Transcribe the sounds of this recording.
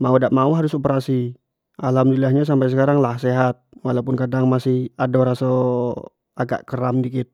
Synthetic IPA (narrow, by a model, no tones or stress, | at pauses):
maudaʔmauɦaɾʊsopəɾasi | ʔalamdulilahɲas̬ampajsəkaɾaŋlahseɦat̪̚walapʊnkadaŋmasɪhadɔɾaso | aɡa̰ʔkəɾamdikɪt̪̚